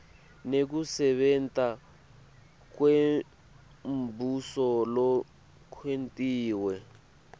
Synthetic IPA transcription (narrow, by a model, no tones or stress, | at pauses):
nek̬usɛβɛntʼa | kwe | m̩busɔlɔ | kʰwentʼiːwɛ